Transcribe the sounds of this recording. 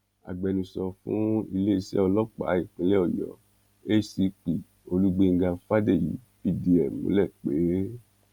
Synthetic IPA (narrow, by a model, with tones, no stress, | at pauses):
a̰˨ɡ͡bɛ˨˧nũ˧sɔ˧fũ˦i˧le˦i˧sɛ̰˦ɔ˧lɔ˦k͡pa̰˨˦i˦˨k͡pĩ˨˦lɛ˦ɔ˦˨jɔ̰˨ | e˦si˨˦k͡pi˨ | o˧lu˦ɡ͡be˧ŋ̩˦ɡã˧˦fa˦de˦˨jḭ˨˦bi˦˨di˧ɛ˨mõ̰˨˦lɛ˦˨k͡pe˨˦